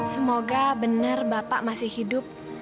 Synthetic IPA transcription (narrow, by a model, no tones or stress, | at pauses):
səmoɡabənərbapa̰ʔmasɪhidʊp̚